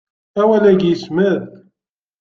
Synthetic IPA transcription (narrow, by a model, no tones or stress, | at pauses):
æwælæɡjəsməð